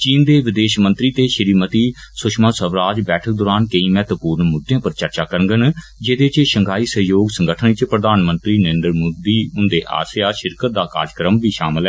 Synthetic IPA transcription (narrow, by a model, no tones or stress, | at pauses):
t͡ʃiːnd̪eːʋɪd̪eːʃmə̃nt̪ɾiːt̪eːʃəɾiːmət̪iːsʊʃmãːsəʋɾaːd͡ʒbɛːʈʰək̚d̪oːɾaːnkəiːmɛːt̪əpuːɾnmoːd̪jãːpəɾt͡ʃəɾt͡ʃaːkəɾə̃ŋɡənd͡ʒed̪eːt͡ʃʃəŋɡaːiːsəɦjoːɡsəŋɡəʈʰənt͡ʃpɾəd̪aːnmə̃nt̪ɾiːnəɾeːnd̪əɾmoːd̪iːʊnd̪eːʔa̰ːsjaːʃɪɾkət̪̚d̪aːka̰ːɾəkɾəmbiːʃaːmɪlɛː